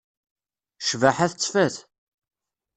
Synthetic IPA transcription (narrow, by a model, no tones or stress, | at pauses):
ʃvaħaθt͡sːfæθ